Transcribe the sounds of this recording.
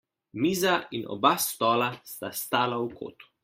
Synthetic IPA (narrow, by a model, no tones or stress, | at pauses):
miːzainʔɔ̰bast̪ɔːlast̪ast̪aːlaukʰo̰ːt̪u̥